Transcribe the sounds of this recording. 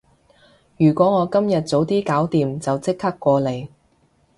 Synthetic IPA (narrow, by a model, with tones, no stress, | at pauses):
jyː˨˩kʷɔː˨˥ŋɔː˨˧kɐ˥mjɐ˨t̚t͡so˨˧wt̪iː˥kaː˨˥wt̪iː˨mt͡sɐ˨wt͡sɪ˥k̚hɐ˥kʷːɔː˧le˨˧j